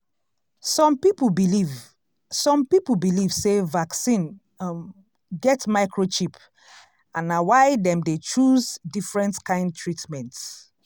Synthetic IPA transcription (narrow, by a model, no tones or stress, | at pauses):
sɔ̃mpipbiliv | sɔ̃mpipl̩bilivsevaksĩn | m | ɡɛtmaɪkʰɹot͡ʃip | ãnawaɪdɛ̃mdet͡ʃuzdifɹɛ̃ntkãɪ̃nd̚tʰɹitmɛ̃nts